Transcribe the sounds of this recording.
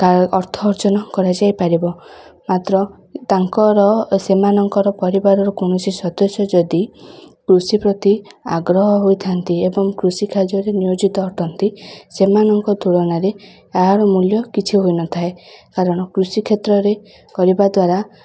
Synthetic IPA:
aːɾt̪ʰɔːɾt͡ʃɔnɔkɔɾad͡ʒajpaɾibɔmat̪ɾɔ | t̪aŋkɔɾɔsemanɔŋkɔɾɔpɔɾibaɾɔɾɔkoɳ̃ɔsisɔd̪ɔsjɔd͡ʒɔd̪ikɾusipɾɔt̪ia̰ɡɾɔɦɔɦojt̪ʰant̪iebɔŋkɾusikʰad͡ʒɔɾenijod͡ʒit̪ɔːʈʰɔnt̪isemanɔŋkɔd̪ʱuɽɔnaɾe | aɦaɾɔmuljɔkit͡ʃʰiɦojnɔt̪ʰaekaɾɔɽ̃ɔkɾusikʰet̪ɾɔɾe | kɔɾibad̪waɾa

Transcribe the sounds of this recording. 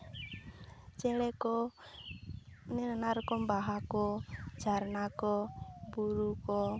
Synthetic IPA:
t͡ʃɛlɛkɔ | nenənarkɔmbaɦakɔd̥d͡ʒ̥a̤rnakɔbuɾukɔ

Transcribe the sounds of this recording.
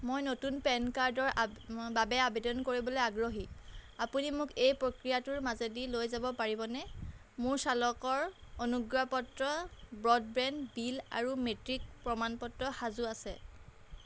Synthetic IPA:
mojnotunpɛnkaɹdɔɹbabɛabedɔnkoɹibɔlojaɡɹoɦiapunimʊkejpɹokɹijatʊɹmazedilojzabɔpaɹibɔnɛ | mʊɹsalɔkɔɹonuɡɹapɔtɹɔbɹɔd̚bɹɛndbila̰ɹumetɹik̚pɹɔmanpɔtɹɔxazuasɛ

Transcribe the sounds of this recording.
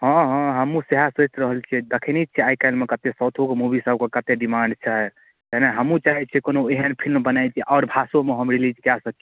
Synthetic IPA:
ɦɔ̃ɦɔ̃ɦəmũseɦasət͡ʃɾəɦəlt͡ʃʰɛd̪əkʰinit͡ʃʰiajkaɪlmekət̪esəwt̪ʰokemubʱisəb̚kekət̪eɖimaɳɖt͡ʃʰɛ | k̪ɛneɦəmũt͡ʃaɦɛt͡ʃʰɛkonoeɦənpʰilmbənajt͡ʃʰiʔɔʊɾbʱasõmeɦəmɾilid͡ʒkasəki

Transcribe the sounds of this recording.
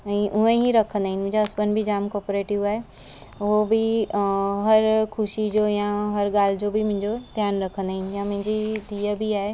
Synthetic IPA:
ɛ̃ːʔʊẽiɾɐkʰə̃nd̪aɦɪnɪmʊ̃ɪ̃ɲd͡ʑaɐspənbʱid͡ʑaːmkɔːɾpoːɾeːʈɪʋaːɦe | ʊɦobɪ | ɦɐɾkʰʊʃid͡ʑoːjãɦɐɾɠaːl̤ɪd͡ʑoːbimʊ̃ɦɪ̃ɲd͡ʑot̪jaːnɾɐkʰə̃nd̪aːɦɪnɪ̆jãmʊ̃ɦɪ̃ɲd͡ʑid̪iːəbiaːɦe

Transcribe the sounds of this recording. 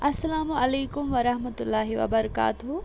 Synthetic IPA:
ɐsːɐlaːmuɐleːkʊmʋɐɾɐɦmɐt̪ʊlːaːɦiʋɐ̰bɐɾɐka̰ːt̪ʊɦu

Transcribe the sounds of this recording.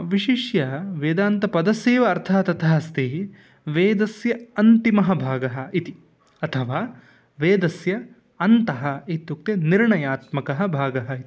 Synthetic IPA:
ʋiʃiʃjɐʋeːd̪aːnt̪ɐpɐd̪ɐseːʋɐːɾt̪ʰaːt̪ɐt̪ʰɐɦɐst̪i | ʋeːd̪ɐsjɐɐnt̪imɐɦɐbʱaːɡɐɦɐ̆it̪i | ɐt̪ʰɐʋaː | ʋeːd̪ɐsjɐ | ɐnt̪ɐɦɐit̪ːuk̚t̪eniɾɳɐjaːt̪mɐkɐɦɐ̆bʱaːɡɐɦɐit̪i̥

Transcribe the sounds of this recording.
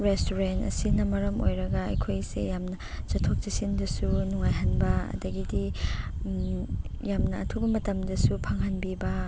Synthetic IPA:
ɾestuɾentɐ̰sinɐmɐɾɐmo̰jɾɐɡɐɐ̰jkʰojsḛjamnɐ | t͡ʃɐtʰːok̚t͡ʃisindɐsunuŋajɦanbɐɐ̰dɐɡidi | jamnɐ̰ːtʰubɐmɐtɐmdɐsupʰaŋɦanbibɐ

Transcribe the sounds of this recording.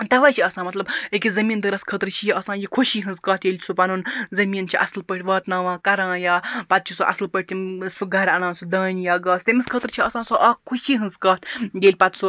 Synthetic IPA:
t̪ɐʋaːt͡ʃʰiɐsãːmɐt̪lɐbekʲizɐmiːnd̪ɨɾɐskʰət̪ɾt͡ʃʰijiɐsãːjikʰoʃiːɦɨ̃nzkɐːt̪ʰjeːlʲʰsupɐnunzɐmiːnt͡ʃʰiʔɐ̰slpəʈʰʲʋaːt̪naːʋãːkɐɾãːjaːpɐt̪̚t͡ʃʰisuʔɐ̰slpɐʈ̚ʲt̪ʰisuɡɐɾɐnãːnsud̪aːnjaːɡaːst̪ɐmiskʰət̪ɾt͡ʃʰiɐsãːsuʔɐkʰuʃiːɦɨnzkaːt̪ʰjeːlʲpɐt̪su

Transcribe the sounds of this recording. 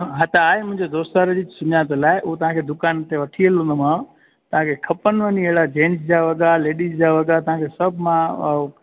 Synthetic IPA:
ɦɐt̪ʰaaːɦemʊ̃ɦɪ̃ɲd͡ʑed̪oːst̪aːɾd͡ʑiːsʊɲaːt̪laːɪʔʊot̪ɐʋ̤ãkʰed̪ʊkaːnt̪eʋɐʈʰiəlɦũn̆d̪omãːɽ̃ | t̪ɐʋ̤ãkʰekʰɐpənʋəniɐɦɪɽad͡ʑẽːnsd͡ʑaʋɐɠaleːɗiːzd͡ʑaʋɐɠat̪ɐʋ̤ãkʰesɐbʱmã

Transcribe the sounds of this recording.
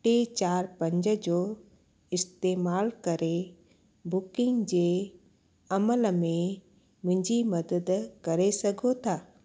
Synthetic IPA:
ʈet͡ɕaːɾpɐ̃ɲd͡ʒəd͡ʑoː | ɪst̪eːmaːlkɐɾe | bʊkɪ̃ŋɡd͡ʑeː | ɐməlmẽ | mʊ̃ɪ̃ɲd͡ʑimɐd̪əd̪kɐɾesɐɡʱot̪ʰaː

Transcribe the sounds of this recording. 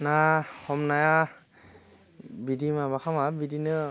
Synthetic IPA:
nahɔmnaja | bidimabakʰamabidinɯ

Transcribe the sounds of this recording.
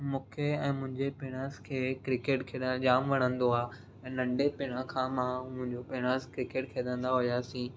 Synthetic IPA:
mũːkʰeɛ̃ːmʊ̃ɦɪ̃ɲd͡ʑepɪɽ̃ãskʰeːkɾɪkeːʈkʰeːd̪əd͡ʑaːmʋɐɽ̃ə̃nd̪oaː | ɛ̃ːnɐ̃ɳɖepɪɽ̃ãkʰãːmãmʊ̃ɦɪ̃ɲd͡ʑopɪɽ̃əskɾɪkeːʈkʰeːd̪ə̃nd̪aɦʊjaːsĩː

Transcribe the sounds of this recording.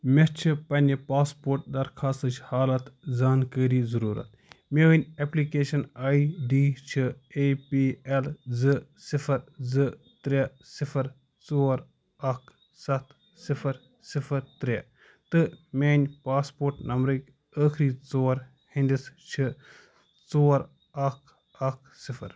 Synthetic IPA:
mʲest͡ʃʰipɐnʲipaːspoːɾʈ̚d̪ɐɾkʰaːst̪ɨt͡ʃʰhaːlɐt̪zaːnkəːɾiːzɐɾuːɾɐ̰t̪̚meʋənʲeplikeːʃɐnaːiɖiːt͡ʃʰiepiːelzɨsifʰɐɾzɨ | t̪ɾʲe | sifʰɐɾ | t͡soːɾ | ɐkʰ | sɐt̪ʰ | sifʰɐɾ | sifʰɐɾt̪ɾʲe | t̪ɨmʲeːnʲpaːspoːɾʈnɐmbɾɨkʲ | əːkʰɾiːt͡soːɐɾ | hĩnd̪ist͡ʃʰi | t͡soːɐɾ | ɐkʰ | ɐkʰ | sifʰɐ̰ɾ

